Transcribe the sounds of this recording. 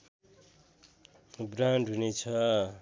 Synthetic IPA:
branɖɦunet͡sʰʌ

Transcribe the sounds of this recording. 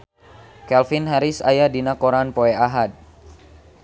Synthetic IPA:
kɛlfinɦaɾisa̰jadinakoɾanpoɛaɦad̪̚

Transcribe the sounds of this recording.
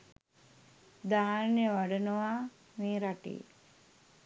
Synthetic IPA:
d̪aːanjeʋaɖənəʋaː | meːɾaʈḭː

